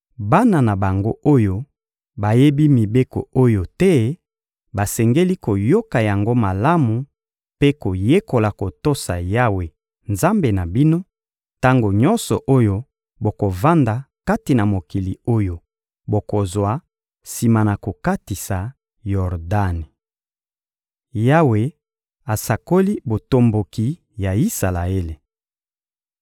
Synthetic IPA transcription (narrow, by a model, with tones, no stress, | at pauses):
ba˦na˨na˨ba˨ŋɡo˦o˦jo˦ | ba˨je˦bi˦mi˨be˦ko̰˨o˦jo˨tɛ˦ | ba˨sɛ˨ŋɡe˦li˦ko˨jo˦ka˨ja˨ŋɡo˦ma˨la˦mu˨ | pe˦ko˨je˦ko˨la˨ko˨to˦sa̰˨ja˦we˨ | nza˦mbe˨na˨bi˦no˦ | ta˦ŋɡo˨ɲɔ̃˦nsɔ˨ʔo˦jo˦ | bo˨ko˨va˦nda˨ | ka˦ti˨na˨mo˨ki˨li˨o˦jo˦ | bo˨ko˨zwa˨ | si˨ma˨na˨ko˨ka˦ti˨sa˨ | jɔ˨ʁda˦ni˨ | ja˦we˨ | a˨sa˨ko˦li˦bo˨to˨mbo˨ki˨ | ja˨i˦sa˨la̰˨e˦le˨